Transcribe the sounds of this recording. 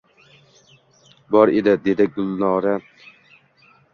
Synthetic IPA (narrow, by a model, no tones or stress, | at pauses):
bɒɾed̪ɪd̪ed̪ɪɡʊlnɑːɾɛ